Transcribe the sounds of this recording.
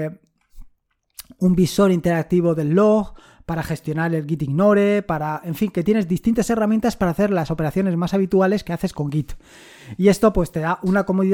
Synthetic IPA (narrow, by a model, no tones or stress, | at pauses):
umbiso̞ɾint̪e̞ɾak̚t̪iβ̞o̞ðe̞lːo̞ɣ | paɾaxe̞st̪jo̞naɾe̞lɣit̪iŋno̞ɾe̞paɾae̞ɱfiŋke̞t̪je̞ne̞zðist̪int̪ase̞ramjent̪aspaɾaːθe̞ɾlaso̞pe̞ɾaθjo̞ne̞zmasaβ̞it̪uale̞ske̞aθe̞sko̞ŋɡit̪ | ie̞st̪o̞pwe̞st̪e̞ðaʔunako̞moðið